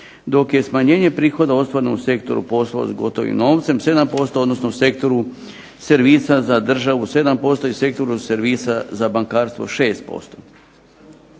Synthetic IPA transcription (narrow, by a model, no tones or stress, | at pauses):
d̪o̞kje̞smaɲe̞ːɲe̞pɾiːxo̞d̪ao̞st̪ʋaɾenouse̞kt̪o̞ɾṵpo̞slo̰zɡo̞t̪o̞ʋḭmno̞ːʋt̪se̞mse̞d̪ampo̞st̪ood̪nosnouse̞k̚t̪o̞ɾu | se̞ɾʋiːsazad̪r̩ʒaʋuse̞d̪ampo̞st̪o̞ise̞k̚t̪o̞ɾuseɾʋiːsazabaŋkaːɾst̪ʋo̞̰ʃeːst̪̚po̞̰st̪o̞